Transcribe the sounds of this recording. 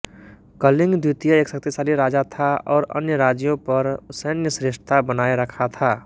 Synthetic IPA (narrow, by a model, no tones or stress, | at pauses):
kəlɪ̃ŋɡd̪ut̪ijaeːksək̚t̪isaːliɾaːd͡ʒat̪ʰaɔːɾə̰njəɾaːd͡ʒjõpəɾʊsəːnjəsɾeʃʈə̥t̪abənaːeɾəkʰat̪ʰaː